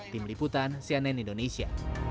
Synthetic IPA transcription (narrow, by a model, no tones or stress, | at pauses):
t̪imliput̪ansianɛnindonesia̰